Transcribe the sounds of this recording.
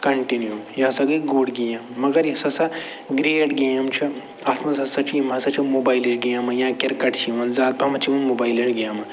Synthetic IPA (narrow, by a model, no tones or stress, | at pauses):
kɐɳʈinjujãːsɐɡiɡoːɽɡejɐmːɐɡɐɾjisɐsɐ | ɡɾeːʈɡeːɐmt͡ʃʰi | ɐt̪ʰmɐsɐsɐt͡ʃʰiimɐsɐt͡ʃʰimoːbaːiliʈɡeːmɐjãːkeɾkɐʈt͡ʃʰiʋɐnzaːd̪̚pɐmɐt͡ʃʰiunmoːbaːiliʈɡeːmɐ